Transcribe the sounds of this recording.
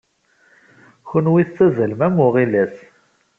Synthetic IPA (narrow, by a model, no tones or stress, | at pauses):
çənwiθt͡sːæzəlmæmːʊʁilæs